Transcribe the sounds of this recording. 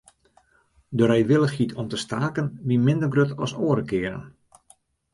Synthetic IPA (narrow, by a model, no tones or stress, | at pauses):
dəɾɛjʋɪlˠəxhitʰɔmtəstaːkənʋimɪndərɡrøtʰɔsoːəɾəkɪəɾə̰n